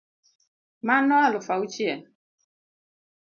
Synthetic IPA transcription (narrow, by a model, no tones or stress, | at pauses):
manɔalʊfaut͡ʃiɛ